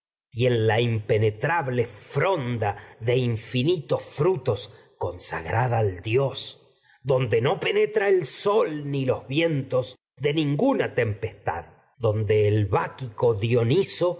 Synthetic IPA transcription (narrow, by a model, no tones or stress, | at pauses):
ie̞nlaimpe̞net̪ɾaβle̞fɾo̞nd̪aðe̞iɱfinit̪o̞sfɾut̪o̞s | ko̞nsa̰ɣɾaðaːld̪jo̞s | d̪o̞nd̪e̞no̞pe̞net̪ɾaelso̞lnilo̞zβje̞nt̪o̞z | ðe̞nĩŋɡunat̪e̞mpe̞st̪a̰ð | ðo̞nd̪e̞ːlβakikoðjoniso